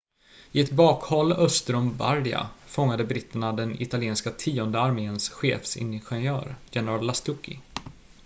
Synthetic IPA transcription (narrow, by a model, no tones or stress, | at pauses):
ɪɛt̪bɑːkhɔlːœst̪əɾɵmba̰ɾd̪ɪa̰fɔŋːad̪əbɾɪt̪ːəɳad̪ɛnɪ̰t̪aljeːnskat̪ʰiːɔnd̪əaɾmeːnsɧḛːfsɪ̰nɧɛnjœ̰ːɾjɛnəɾallːast̪ʊkːɪ̰